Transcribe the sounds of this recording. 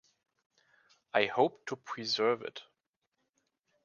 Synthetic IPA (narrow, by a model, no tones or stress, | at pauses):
aɪhoʊptʰupʰɹ̥izɜ˞vɪ̰t